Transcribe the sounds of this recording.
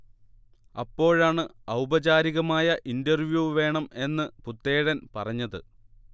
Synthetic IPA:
ɐpːo̞ːɻaːɳɨɐwbɐd͡ʑaːɾiɣɐmaːjɐʔindɐrʋjuːʋe̞ːɳɐme̞nːɨput̪ːeːɽɐnpɐrɐɲːɐðɨ̰

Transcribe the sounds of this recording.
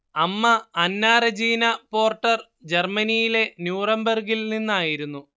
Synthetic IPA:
ɐmːɐɐnːaːɾɐd͡ʑiːnɐpo̞ːrʈːɐr | d͡ʑe̞rmɐnijile̞njuːrɐmbɐrɡilninːaːjiɾunːu

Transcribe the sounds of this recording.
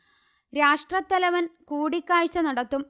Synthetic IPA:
ɾaːʂʈrɐt̪ːɐlɐʋɐnkuːɽikʲːaːɻt͡ɕːɐnɐɽɐt̪ːum

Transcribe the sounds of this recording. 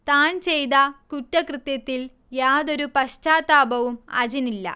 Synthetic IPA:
t̪aːnt͡ɕejt̪ɐkutːɐkrɨt̪jɐt̪ːil | jaːðo̞ɾupɐɕt͡ɕaːt̪ːaːbɐʋumɐ̰d͡ʑɐnilːɐ̰

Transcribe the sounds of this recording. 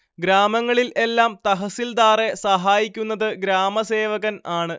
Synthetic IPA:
ɡɾaːmɐŋːɐɭilʔe̞lːaːmt̪ɐɦɐsild̪aːre̞sɐɦaːjikʲːunːɐðɨɡɾaːmɐse̞ːʋɐɣɐnaːɳɨ

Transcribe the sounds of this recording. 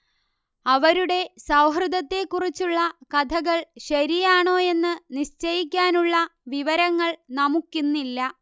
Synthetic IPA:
ɐʋɐɾuɽe̞sɐwɦrɨd̪ɐt̪ːe̞kːurit͡ɕːuɭːɐkɐd̪ʰʱɐɣɐɭɕɐɾijaːɳo̞ːe̞nːɨniɕt͡ɕɐjikʲːaːnuɭːɐʋiʋɐɾɐŋːɐɭnɐmukːinːilːɐ

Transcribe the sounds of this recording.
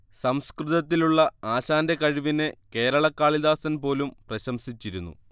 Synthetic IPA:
sɐmskrɨðɐt̪ːiluɭːɐaːɕaːnde̞kɐɻiʋineke̞ːɾɐɭɐkːaːɭiðaːsɐnpo̞ːlumprɐɕɐmsit͡ɕːiɾunːṵ

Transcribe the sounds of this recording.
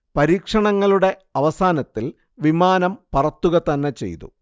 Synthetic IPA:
pɐɾiːkʂɐɳɐŋːɐɭuɽe̞ | ɐʋɐsaːnɐt̪ːil | ʋimaːnɐmpɐrɐt̪ːuɣɐt̪ɐnːet͡ɕe̞̰jt̪ṵ

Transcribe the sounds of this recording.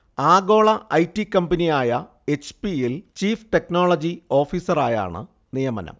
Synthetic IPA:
aːɡo̞ːɭɐʔɐjtːikːɐmbɐnijaːjɐ | et͡ɕpijilt͡ɕiːfʈe̞knoːɭɐd͡ʑio̞ːfiːsɐraːja̰ːɳɨ̰ | nijɐmɐ̰nɐ̰m

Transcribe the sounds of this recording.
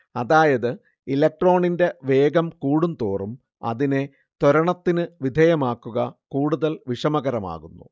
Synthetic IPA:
ɐðaːjɐðɨ | ilɐk̚ʈro̞ːɳinde̞ʋe̞ːɡɐmkuːɽumt̪oːrum | ɐ̰ðine̞ | t̪oɾɐɳɐt̪ːinɨʋid̪ʱɐjɐmaːkːuɣɐkuːɽuðɐlʋiʂɐmɐɣɐɾɐma̰ːɣunːṵ

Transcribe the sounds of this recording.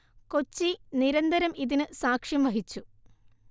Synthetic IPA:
ko̞t͡ɕːiniɾɐnd̪ɐɾɐmiðinɨsaːkʂjɐmʋɐɦit͡ɕːu

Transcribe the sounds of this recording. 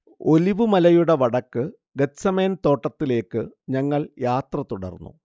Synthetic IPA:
o̞liʋɨmɐlɐjuɽeʋɐɽɐkːɨ | ɡet̪sɐme̞ːnt̪o̞ːʈːɐt̪ːile̞ːkːɨɲɐŋːɐɭjaːt̪rɐt̪uɽɐ̰rnːṵ

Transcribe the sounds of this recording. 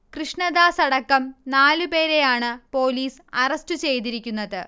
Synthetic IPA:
krɨʂɳɐd̪aːsɐɽɐkːɐmnaːlupe̞ːɾe̞jaːɳɨpo̞ːliːs | ɐrɐstɨt͡ɕe̞jt̪iɾikʲːunːɐðɨ

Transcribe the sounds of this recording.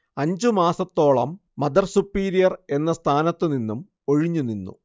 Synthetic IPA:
ɐɲd͡ʑumaːsɐt̪ːo̞ːɭɐ̰mːɐd̪ɐrsupːiːɾijɐre̞nːɐst̪ʰaːnɐt̪ːɨninːum | o̞ɻiɲːuninːṵ

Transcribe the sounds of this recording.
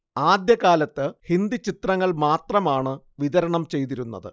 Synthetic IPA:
aːd̪jɐɣaːlɐt̪ːɨhind̪it͡ɕit̪rɐŋːɐɭmaːt̪rɐmaːɳɨ | ʋiðɐɾɐɳɐmt͡ɕe̞jt̪iɾunːɐ̰ðɨ̰

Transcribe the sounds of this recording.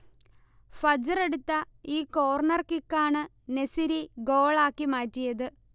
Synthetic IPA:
fɐd͡ʑɐreɽut̪ːɐiːko̞ːrnɐrkikːaːɳɨ | nesiɾiɡo̞ːɭaːkːimaːtːijɐðɨ

